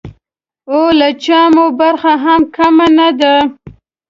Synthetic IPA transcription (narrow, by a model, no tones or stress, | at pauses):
olat͡ʃamobaɾxaɦamkamanad̪a